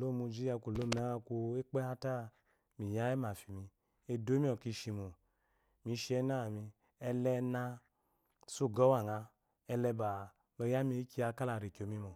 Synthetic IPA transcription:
lo˦˨mu˧d͡ʒi˦a˧˨kʷu˨lo˦m˦˨a˨˦a˧ku˧e˦k͡pɛ˦ha˧ta˦˨ | mi˨ja˦ɛ˦ma˨fi˨mi˧ | e˧do˦mi˦ɔ˨ki˧ʃi˧mu˨ | mi˨˧˦ʃi˧˦ɛ˧˦na˦˨mi˧ | ɛ˧lɛ˧na˧ | su˦˨ɡɔ˨˦wa˦˨ŋa˧ | ɛ˧lɛ˧ba˨ | lɔ˧ja˦mi˧i˦ki˧˦a˧ka˦la˧˨ɾi˨kʲo˨mi˧mo˨

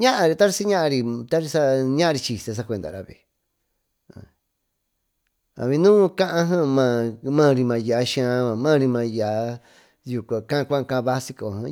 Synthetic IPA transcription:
ɲã˦ʔã˧ɾi˧t̪a˦ɾi˧si˦ɲã˦ʔã˧ɾi˧t̪a˦ɾi˧sa˦ɲã˦ʔã˧i˧t͡ʃi˨se˧s̬a˦˧kʷe˧nd̪a̰˨ɾa̰˨˧βḛ˨ | ã̰˨ | a̰˨βĩ˧nũː˦kã˦ʔã˧ɦã˦mã˧˨mã˦˨˧ɾi˧mã˧˨ja˨˦ʃĩ˧ã˧˦mã˨mã˦˧ɾi˧mã˧ja˨˦ | ju˧kʷã˨kã˦˧kʷã˦˧kã˧βa˦si˧ko˨ã˧˦

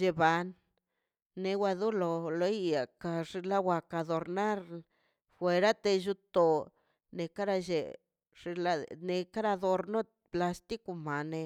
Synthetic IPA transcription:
ʒe˧ba˧nː | e˧wa˧d̪u˦lo˧lo˦jja˨ka˧ʐi˧la˦wa˧ka˧d̪o˨ɾna˦ɾ | fwe˨˧ɾa˦t̪e˧ʒu˧t̪o˨ | ne˨ka˦ɾa˧ʒe˨ | ʐ̥i˧la˦ne˧ka˦ɾa˧d̪o˧ɾno˦ | pla˧st̪i˦ku˧ma˨ne˧

